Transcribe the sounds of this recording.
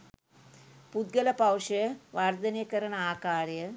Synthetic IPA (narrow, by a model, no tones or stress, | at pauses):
pud̪̚ɡɐlɐpɐwʂɐʋaɾd̪ɐnijkɐɾɐnɐaːkaːɾjɐ